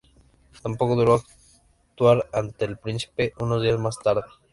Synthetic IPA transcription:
t̪ampo̞ko̞ðuɾoak | t̪waɾant̪eːlpɾinsi̥pe̞ʔuno̞zðiazmast̪aɾðe

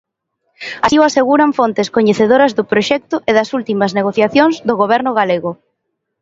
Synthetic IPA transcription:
ɐsiwaseɣuɾaɱfont̪eskoɲeθeðoɾɐzðʊpɾoʃɛk̚t̪ʊʔeðɐsult̪imɐzneɣ̞oθjaθjoŋzðʊɣoβɛɾnʊɣaleɣʊ

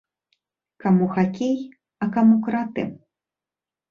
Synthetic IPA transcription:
kamuxakʲej | ɐkamukɾat̪ɨ̰

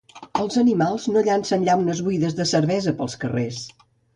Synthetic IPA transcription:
əlˠzənimalˠznoʎansənʎawnəzβujðəzðəsəɾβɛzəpəlˠskəres

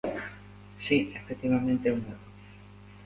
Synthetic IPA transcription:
siefek̚t̪iβamẽnt̪eumaðo

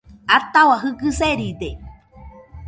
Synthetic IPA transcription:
at̪awaɦɨkɨseɾid̪e

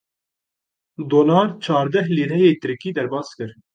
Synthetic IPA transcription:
d̪oːnɑːlt͡ʃʰɑːɾd̪ɛɦliːɾɛjeːt̪ʰɨɾkiːd̪ɛɾbɑːskɨɾ

